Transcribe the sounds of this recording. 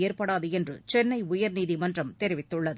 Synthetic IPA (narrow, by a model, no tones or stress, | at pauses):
eːɾpɐɽaːðɯɛndrɯ̰t͡ʃɛnːɐɪʊjɐɾniːðimɐndrɐmt̪ɛɾɪʋɪt̪ːɯɭːɐðɯ